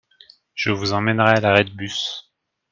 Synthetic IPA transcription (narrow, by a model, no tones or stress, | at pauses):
ʒ̥əvuzɑ̃mɛnʁɛalaʁɛd̪̚bys